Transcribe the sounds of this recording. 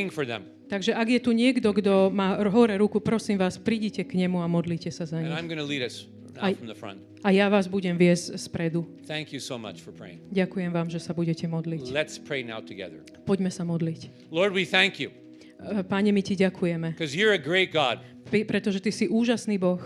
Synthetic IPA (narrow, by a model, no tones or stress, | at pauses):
ɪ̃ŋfə˞ðɛ̰̃m | t̪aɡʒɛʔaɡjɛt̪uɲɪɛɡd̪ɔɡd̪ɔmaːɾɦɔɾɛɾukupɾɔsiːmʋaːspɾiːɟicɛkɲɛmuamɔd̪liːcɛsazaɲiãɪ̃mɡʌnəliɾʌs | naafɹʌ̃mðəfɹʌ̰̃nt | ajaʋaːzbuɟɛmʋɪɛzcspɾɛd̪u | θæ̃ŋkjɨsoʊmʌ̰t͡ʃfə˞pʰɹ̥ḛɪɪ̰̃ŋŋɟakujɛmʋaːmʒɛsabuɟɛcɛmɔd̪liclɛtspʰɹ̥eɪna̰ʊtʰɨɡɛ̰ðə̰˞ | pɔɟmɛsamɔd̪lic | lɔɹd̚wiθæ̃ŋkʰju | paɲɛmiciɟakʰujɛmɛkʰʌzjə˞ɨɡɹeɪt̚ɡ̥ɑ̰d̚ | pipɾɛt̪ɔʒɛt̪isiʔuːʒasniːbɔx